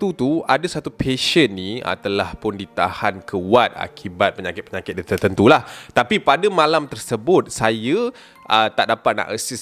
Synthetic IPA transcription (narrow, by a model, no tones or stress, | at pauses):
t̪ut̪uadasat̪upʰeʃənːiə̰t̪əlahpʊndit̪a̰hankʰəwat̪̚a̰kʰibat̪̚pəɲakɪt̪̚pəɲakɪt̪̚dət̪ərt̪ənt̪ulaht̪apipadamãlamt̪ərsəbʊt̪̚sajə | ʔət̪aʔdapat̪̚na̰ʔəsɪs